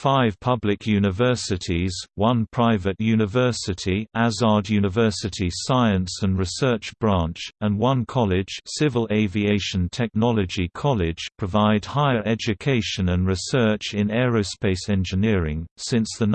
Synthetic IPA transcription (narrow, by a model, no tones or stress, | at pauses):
faɪv̥pʰʌblɪkʰjʉnɪvɜˑ˞sɪtʰiz̥wʌ̃npʰɹ̥aɪvəʔjʉnɨvɜˑ˞sɪtʰiʔazɑːdjʉnɪvɜˑ˞sɪtʰisaɪə̃nsə̃nɹɪsɜˑ˞t͡ʃb̥ɹɑ̃ˑnt͡ʃə̃nwʌ̃nkʰɒlɪd̥ʒ̥sɪvəleɪvieɪʃə̃ntʰɛk̚nɒləd͡ʒikʰɒlɪd̥ʒ̥pʰɹ̥əvaɪd̚haɪəɹʔɛd͡ʒɨkʰeɪʃə̃nə̃nɹɪsɜ˞t͡ʃɪ̃nɛɹəʊspeɪsɛ̃nd͡ʒɨnɪəɹɪ̃ŋsɪ̃nsðə